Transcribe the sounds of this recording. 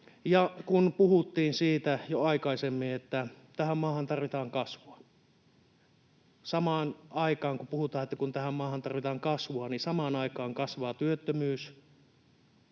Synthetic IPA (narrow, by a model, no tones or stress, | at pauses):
jɑkunpuhut̪ːiːnsiːt̪æjoɑikɑisemːiet̪ːæ | t̪æhæmmɑːhɑnt̪ɑrʋit̪ɑːŋkɑsʋoɑ | sɑmɑːnʔɑikɑːŋkupuhut̪ɑːet̪ːækunt̪æhæmmɑːhɑnt̪ɑrʋit̪ɑːŋkɑsʋoɑnisɑmɑnɑikɑːŋkɑsʋɑːt̪yøt̪ːømyːs